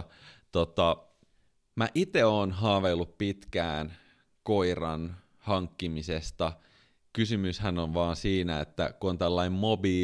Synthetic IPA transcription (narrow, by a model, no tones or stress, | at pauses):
t̪ot̪ɑ | mæʔit̪eoːnɦɑːʋelːuppit̪kæːn | koirɑ̰n | hɑŋkːimisest̪ɑ | kysymyshænonʋɑːnsiːnæet̪ːæ̰kuont̪ælːɑimmobiː